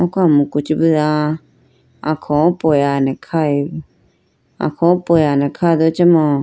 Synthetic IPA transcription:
ɔ̃kamũkut͡ʃibəðã | ãkʰɔ̃pojanɛ̃kʰai | ã̰kʰɔ̃pojanɛ̃kʰad̪ot͡ʃamɔ̃

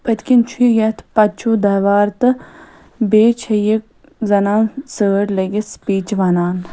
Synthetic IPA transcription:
pət̪kint͡ʃʰuijɐt̪ʰpɐt͡ʃʰuːd̪ɐʋaːɾt̪ɨ | beːt͡ʃʰɐjik̚ | zɐnaːnsəːʈleɡespiːt͡ʃʋanaːn

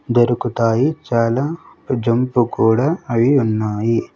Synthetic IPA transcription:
d̪ɐɾukut̪aːjit͡ʃaːlaːd͡ʒɐmpukuːɽaːɐʋiunːaːji

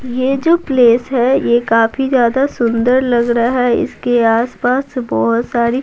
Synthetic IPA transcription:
jeːd͡ʒoːpleːsɦɛjekaːfʰizjaːd̪asʊ̃nd̪əɾlɐɡɾaɦɛɪ̰skeaːspaːsbɔɦʊt̪saːɾi

